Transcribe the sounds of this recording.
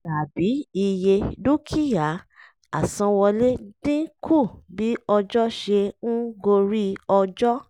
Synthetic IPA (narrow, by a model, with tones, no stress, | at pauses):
a˨bi˨˦i˧je˧du˦kʰi˦ja˨ | a˨sã˧wɔ˧le˦d̥ĩ˦kʰu˦˨bi˨˦ɔ˧d͡ʒɔ˦ʃe˧n̩˦ɡo˧ɾi˦ɔ˧d͡ʒɔ˦